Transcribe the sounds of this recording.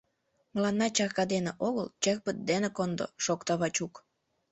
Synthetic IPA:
məlɑnːɑt͡ɕɑɣkɑd̪eneʔoɣəlt͡ɕek̚pət̪̚d̪enekond̪o̰ʃokt̪ɑβɑt͡ɕuk

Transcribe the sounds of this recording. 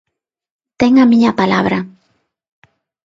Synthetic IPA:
t̪eŋamiɲapalaβɾa

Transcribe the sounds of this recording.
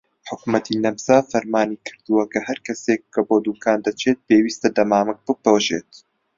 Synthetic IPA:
ħʊkmɐt̪ʰinɐmsaːfɐɾmaːnikʰɨ̥ɾd̪ɨwɐkʰɐhɐɾkʰɐsekːʰɐboːd̪uːkʰaːnd̪ɐt͡ʃʰet̪̚peːwiːst̪ɐd̪ɐmaːmɨk̚b̥ɨpoːʒeːt̪

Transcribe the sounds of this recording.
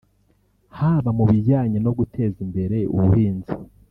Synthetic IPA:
haːβamuβiɾɟaːɲano̞ɡutʰe̞zimbe̞ɾe̞ṵβuhiːnzi

